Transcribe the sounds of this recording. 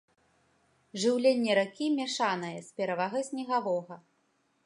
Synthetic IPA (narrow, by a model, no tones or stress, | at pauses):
ʐɨwlʲenʲːɛɾakʲimʲɛʂanɐjɐsʲpʲɛɾavaɣɐjsʲnʲɛɣavɔɣɐ